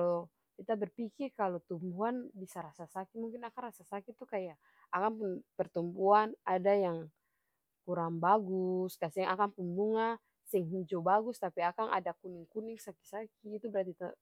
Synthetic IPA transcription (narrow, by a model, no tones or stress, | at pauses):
kalɔ | kit̪abɛrpikirkalot̪umbuanbisaɾasasakimuŋkinakaŋrasasakit̪ukajaː | kaŋpunpɛrt̪umpuanadajaŋ | kuɾaŋbaɡuskasiaŋakaŋpunbuŋa | siŋɦid͡ʒɔbaɡust̪apiakaŋʔa̰dakuniŋkuniŋsaki̥sakiːt̪ubɛɾat̪̬it̪a